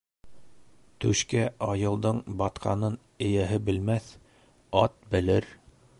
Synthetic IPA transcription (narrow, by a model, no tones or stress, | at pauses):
t̪ɵʃkæɑjɤ̆lˠd̪ɤɴbɑt̪qʰɑ̰nɤn | ɘ̆jæɦɘbɘ̆lmæθ | ɑt̪̚bɘ̆lɘɾ